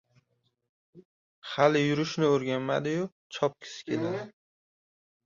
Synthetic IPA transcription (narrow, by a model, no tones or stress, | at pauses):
halɪjʊɾɪʃnɪoɾɡʲanmad̪ɪjʊ | t͡ʃʰɒp̚kʲʰɪ̥sɪ̥kʲʰelad̪ɪ